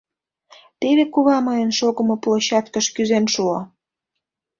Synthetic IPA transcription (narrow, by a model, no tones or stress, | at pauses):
t̪eβekuβɑməjənʃoɣə̆mŏploɕɑt̪kəʃkyzenʃuo